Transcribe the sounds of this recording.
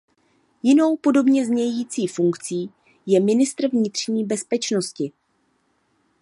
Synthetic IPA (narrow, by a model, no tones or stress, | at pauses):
jɪno̞wpo̞do̞bɲɛzɲɛjiːt͡siːfuŋkt͡siː | jɛmɪnɪst̪r̩vɲɪt̪r̝̥ɲiːbɛspɛt͡ʃnoscɪ